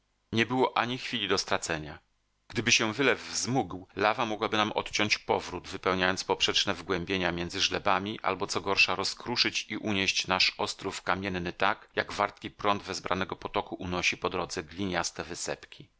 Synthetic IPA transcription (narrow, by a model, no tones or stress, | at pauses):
ɲɛbɘwɔʔaɲixfʲilʲid̪ɔst̪ɾat̪sɛɲa | ɡ̥d̪ɘbɘɕɛvɘlɛvːzmuɡwlavamɔɡwabɘnamʔɔ̰t̪t͡ɕɔ̃ɲt͡ɕpɔvɾud̪vɘpɛwɲajɔnt̪spɔpʂɛt͡ʂnɛvɡwɛmbʲjeɲamʲjɛnd̪zɘʐlɛbamʲiʔa̰lbɔt̪sɔɡɔɾʂaɾɔskɾuʂɘt͡ɕiʔuɲeɕt͡ɕnaʂɔst̪ɾufkamʲjɛnːɘt̪akjaɡvaɾt̪̚kʲipɾɔnd̪vɛzbɾʔa̰nɛɡɔpɔt̪ɔkuʔunɔɕipɔd̪ɾɔd̪zɛɡlʲiɲast̪ɛvɘsɛ̰pkʲi